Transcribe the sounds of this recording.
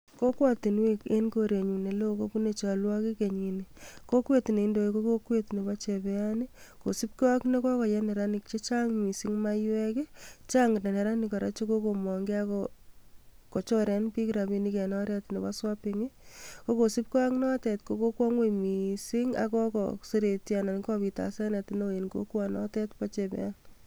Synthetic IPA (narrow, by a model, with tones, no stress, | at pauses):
ko˦kwa˦ti˨nwe˦ke˦nko˦ɾe˨ɲu˨ne˨lo˦˨ko˦ku˦ne˨t͡ʃa˨lwɔ˦ki˦ke˨ɲi˨niko˦kwe˦ti˨ne˨i˦ndo˨e˨ko˦ko˦kwe˦tne˨ba˦t͡ʃe˨bɛ˨a˦ni˦ko˨si˦p̚kɔ˦kne˦kɔ˦kɔ˨jɛ˦ne˨ɾa˦nɪ˨k̚t͡ʃe˦t͡ʃa˦ŋmi˨si˦ŋma˦jwɛ˦ke˦t͡ʃa˦ŋɡne˨ne˨ɾa˦ni˨kɔ˨ɾa̰˦t͡ʃe˦ko˦ko˨mɔ˨ŋɡe˦a˦kɔ | ko˨t͡ʃɔ˦ɾɛ˨npi˦kiɾa˨bi˦ni˦kɛ˨nɔ˦ɾɛ˦tne˨βa˦swa˦pi˨ŋi˦ko˦ko˨si˦p̚ka˦knɔ˦tɛ˨tko˦ko˦kwɔ˦ŋwe˦mi˨si˦ŋa̰˨kɔ˦kɔ̰se˦ɾe˨tja˨na˨n˦kɔ˦pi˨ta̰˨sɛ˦ne˨ti˨no˦e˨nko̰˦kwa˨nɔ̰˦tɛ˦tpa˦t͡ʃe˨pḛ˨ja˦n